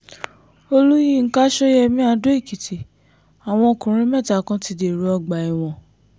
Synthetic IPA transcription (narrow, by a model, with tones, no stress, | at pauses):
o˧lu˦jĩ˦˨ŋ̩˦ka˦ʃɔ˦jɛ˧mĩ˦a˧do˦e˦˨ki˨ti˨ | a˨w̃ɔ̃˧o˧kũ˨ɾ̃ĩ˦mɛ˦˨ta˨kã˧ti˧de˨ɾu˨ɔ˧ɡ͡ba˨i˨w̃ɔ̃˨